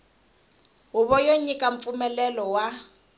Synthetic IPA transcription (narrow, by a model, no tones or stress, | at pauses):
ɦʊβɔjoɲikʼaɱ̩fumɛlɛlɔwa